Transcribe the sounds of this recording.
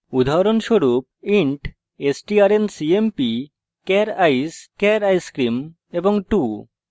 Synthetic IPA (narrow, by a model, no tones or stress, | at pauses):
ud̪ʱaɾonʃoɾup̚iɳʈ | esʈiaɾensiempi | kɛɾajskɛɾajskɾim | eboŋʈu